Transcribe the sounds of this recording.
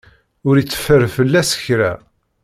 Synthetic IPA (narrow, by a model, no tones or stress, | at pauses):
ʊɾit͡sːə̥fəɾfəlːæsə̥çɾæ̰